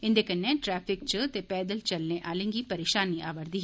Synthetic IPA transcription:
ɪ̃nd̪eːkənːẽːʈɾɛːpʰɪk̚t͡ʃət̪eːpɛːd̪əlt͡ʃəlnẽʔaːlẽːŋɡiːpəɾeːʃaːniʔaːʋəɾd̪iːɦ

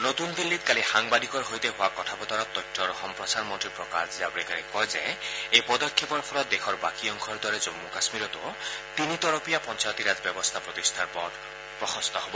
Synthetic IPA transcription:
not̪unb̪ilːit̪̚kalixaŋbad̪ʱikɔɾɦojt̪eɦoakɔt̪ʰabɔd̪ʱaɾɔt̪ɔjʈʰːɔɾxɔmpɾɔsaɾmɔnʈɾiɾpɾɔkaɾziabɾeɡanikpɔjza̰jejpɔd̪ɔkʰːepɔɾpʰɔɾɔt̪̚d̪ekʰɔɾba̰kiɔŋkʰɔɾd̪ɔɾed͡ʒomːukasmiɾɔt̪ut̪init̪ɔɾɔpijapɔnt͡ʃajɔt̪iɾad͡ʒɔbjɔbɔst̪ʰapɾot̪ist̪ʰaɾpɔt̪ | pɾɔxɔst̪ɔɦobɔ

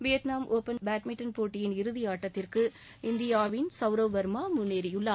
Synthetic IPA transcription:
ʋɪjɐt̪naːmʔoːpɐnbaːʈmɪʈːɐnpoːʈːɪjɪnɪɾɯðɪjaːʈːɐt̪ːɪrkɯ | ɪnd̪ɪjaːʋɪnsɐʋɾɐʋʋɐɾmaːmʊnːeːɾɪjɯlːɐ

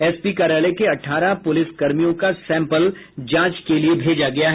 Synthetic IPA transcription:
ɛːspikaːɾaːlekeɐʈʰːaːɾapʊlɪsɡɐɾmijõkasɛ̃ːmpəl | d͡ʒãːt͡ʃkeliebʱeːd͡ʒaɡɐjaɦɛ

